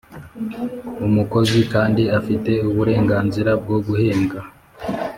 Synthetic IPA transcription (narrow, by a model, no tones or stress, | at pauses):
umuko̞zikaːndiafite̞uβuɾe̞ːŋɡaːnziɾabɡoɡuhe̞ːŋɡa